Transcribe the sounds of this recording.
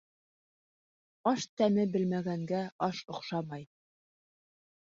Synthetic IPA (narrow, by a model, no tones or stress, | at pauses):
ɑʃt̪æmɘbɘ̆lmæɡæŋɡæɑʃŏqʃɑmɑj